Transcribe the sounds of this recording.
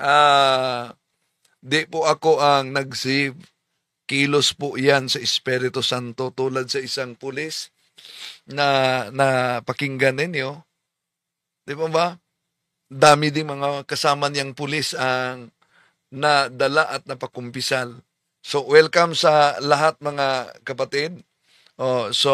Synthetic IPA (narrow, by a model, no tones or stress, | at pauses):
ʔa | d̪ɪpʊʔɐkoʔɐŋnɐɡ̚sɪ | kiːlospʊʔjansɐʔɪspɛɾɪt̪osant̪ot̪uːlad̪̚sɐʔɪsaŋpʊlɪs | nɐnɐpɐkɪŋɡanɪnjo | d̪ɪbaba | d̪aːmɪd̪ɪŋmɐŋakɐsaːmanjaŋpʊlɪsɐŋ | nɐd̪ɐlaʔɐt̪̚nɐpɐkʊmpɪsal | sowɛlkamsɐlɐɦat̪̚mɐŋakɐpɐt̪ɪd̪̚ | ʔoso